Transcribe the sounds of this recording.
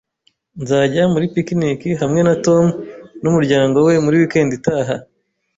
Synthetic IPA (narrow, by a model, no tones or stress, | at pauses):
nzaːɟamuɾipikinikiɦamŋe̞nato̞mnumuɾɟaːŋɡo̞we̞muɾiwike̞ːnditaːɦa